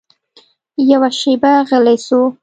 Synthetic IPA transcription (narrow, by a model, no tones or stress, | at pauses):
jawaʃebaɣəlajsu